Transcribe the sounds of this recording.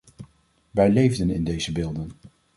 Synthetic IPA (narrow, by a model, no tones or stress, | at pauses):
ʋɛjlejvdənɪndejzəbɪːlˠdən